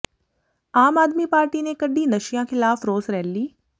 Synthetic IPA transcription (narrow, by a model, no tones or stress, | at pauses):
aːmaːd̪miːpaːɾʈinekəɖiːnəʃijãːkʰɪlaːfɾoːsɾɛːlliː